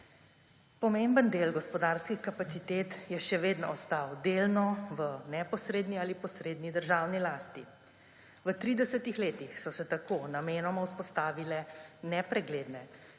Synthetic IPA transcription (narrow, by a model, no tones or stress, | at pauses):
pɔmeːmbənd̪eːlɡɔspɔd̪aːɾskixkapat̪sit̪eːt̪jɛʃɛʋeːd̪nɔɔst̪awd̪eːlnɔʋənɛpɔsɾeːd̪nialipɔsɾeːd̪nid̪əɾʒaːwnilaːst̪i | ʋət̪ɾiːd̪ɛsət̪ixleːt̪ixsɔsɛt̪akoːnameːnɔmawspɔst̪aːʋilɛnɛpɾɛɡleːd̪nɛ